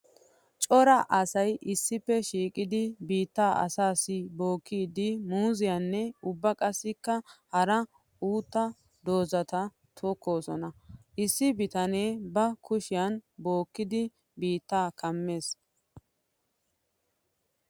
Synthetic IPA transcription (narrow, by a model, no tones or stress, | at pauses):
t͡ʃʼɔɾɐʔɐsɐjʔɪsːɪpːɛʃiːkʼɪd̪ɪbiːt̪ːaːʔɐ̰saːsɪbo̞ːkʰːiːd̪ɪmuːzɪjɐnːɛʊbːɐkʼɐsːɪkːɐhɐɾɐ | uːt̪ːɐ | d̪o̞ːzɐt̪ɐ | t̪ʰoːkːo̞ːsɔnɐʔɪsːɪbɪt̪ɐneːbɐkʰʊʃɪjɐnbo̞ːkːɪd̪ɪ | biːt̪ːaːkʰɐmːe̞ːs